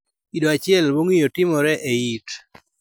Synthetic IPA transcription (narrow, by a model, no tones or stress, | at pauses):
idoat͡ʃɪɛlboŋijotɪmɔɾɛʔeit